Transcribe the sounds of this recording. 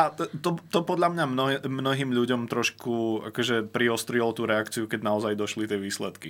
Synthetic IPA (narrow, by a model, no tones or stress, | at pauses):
at̪ɔt̪ɔpɔd̪ʎamɲamnɔmnɔɦiːmʎuɟɔmt̪ɾɔʃkua̰kɔʒɛpɾiɔst̪ɾilɔt̪uːɾɛakt͡siukɛɟnaɔzajd̪ɔʃlit̪ɪɛʋiːslɛt̪ki